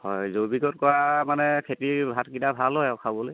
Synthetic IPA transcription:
hɔjzobiɡɔtkɔɹamanɛkʰetibʱatkidabʱalɦɔjɔkʰabɔloj

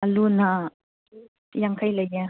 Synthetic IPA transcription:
aluna | jaŋkʰajlajɛ

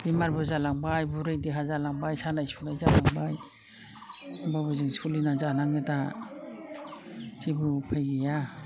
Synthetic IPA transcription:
bimaɾbɔzalaŋbajbuɾɯjdiɦazalaŋbajsanajspʰulajzalaŋbaj | babuzɯŋskʰulinazanaŋɯta | kibupʰajɡija

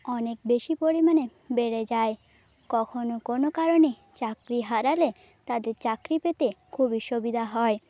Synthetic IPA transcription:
ɔnek̚beʃipoɾimane | beɾed͡ʑae | kɔkʰonokonokaɾone | t͡ɕakɾiɦaɾale | t̪ad̪eɾt͡ɕakɾipet̪ekʰubiʃobid̪ʱaɦɔe

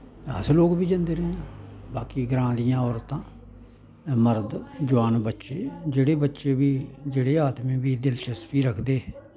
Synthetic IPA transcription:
ə̰sloːkbiːd͡ʒãːnd̪eːɾəẽãbaːkiːɡɾãːd̪ɪjãːɔːɾt̪ãː | məɾd̪d͡ʒʊʋaːnbətːʃeːd͡ʒeːɽeːbətːʃeːbiːd͡ʒeːɽeːaːt̪mĩːbiːd̪ɪlʃəspiːɾəkʰd̪eː

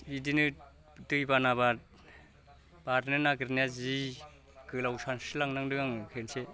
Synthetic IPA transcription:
idinɯ | dɯjbanaβat̚ | b̥aɾnɯnaɡɾnjazi | ɡɯlawsansɯlaŋnaŋdɯɡaŋkʰense

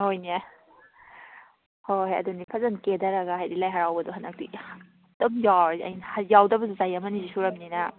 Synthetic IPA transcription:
hojnia | hohaɐ̰dunipʰɐzɐnkedɐɾɐɡahajɾilajɦɐɾawbɐduɦanɐk̚ti | d̥ɐmjawɾɐ̰jnhajawdɐbɐsuzajɐmɐnizisuɾɐmninɐ

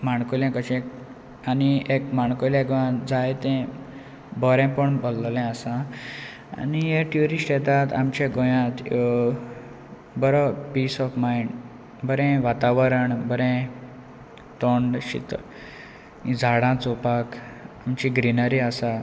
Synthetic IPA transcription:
maɳkoljãkət͡ɕɛ̃k | aniek̚maɳkoljɛɡʋãd͡zajt̪ɛ̃ | bɔɾɛ̃pəɳbɔllɛ̃əsã | a̰nijeʈjuɾiʂʈjɛt̪at̪a̰mt͡ɕẽɡõjãt̪jo | bəɾɔpiːsɔfmaiɳɖ | bəɾɛ̃ʋat̪aʋəɾəɳbəɾɛ̃ | t̪ɔɳɖɕḭt̪ | id͡zʱaɽãt͡sopakamt͡ɕiɡɾinəɾiasa

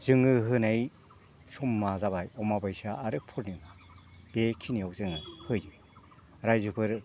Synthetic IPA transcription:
z̥ɯŋɯɦɯnaj | sɔmːazabajɔmabɯjsaːɾɯpʰuɾnɯŋa | b̥ekʰiniawzɯŋɯhɯjɯ | ɾajzɯpʰɯɾ

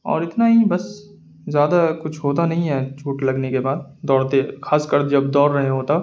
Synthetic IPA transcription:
ɔ̰ːɾɪt̪naɦibɐs | zjaːd̪akʊt͡ʃʰɦoːt̪anɐɦĩɦɛːt͡ʃʰuːʈlɐɡnekebaːd̪d̪ɔːɾt̪exaːskɐɾd͡ʒɐbd̪ɔːɾːɐɦẽɦoːt̪ɐ

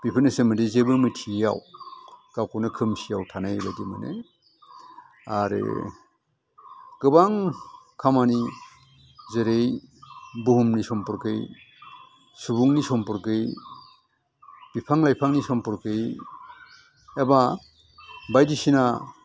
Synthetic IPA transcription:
b̥ipʰɯnɯsemɯdizebɯmɯtʰija̰wkawkɔwnɯkʰɯmsijawtʰanajbajdimɯ̰nḛ | aɾɯ̰ | kɯbaŋkʰamani | zeɾej | buɦumnisɔmpɔɾkɯj | subuŋnisɔmpɔɾkɯj | b̥ipʰaŋlajpʰaŋnisɔmpɔɾkɯj | eba | bajdisina

